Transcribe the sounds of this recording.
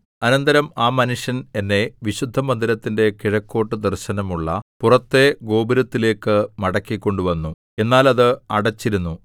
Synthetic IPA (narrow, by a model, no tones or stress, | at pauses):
ɐnɐnd̪ɐɾɐmaːmɐnuʂjɐne̞nːe̞ʋiɕud̪ʱːɐmɐnd̪iɾɐt̪ːinde̞kiɻɐkːo̞ːʈːɨd̪ɐrɕɐnɐmuɭːɐpurɐt̪ːe̞ɡo̞ːbiɾɐt̪ːile̞ːkːɨmɐɽɐkːikʲːo̞ɳɖuʋɐnːu | e̞nːaːlɐðɨɐɽɐt͡ɕːiɾunːu